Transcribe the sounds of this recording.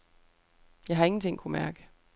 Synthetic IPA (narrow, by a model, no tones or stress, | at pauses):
jɑɪɦɑ̈e̝ŋn̩t͡sʰe̝ŋ̰kʰumæɐɡ̥ə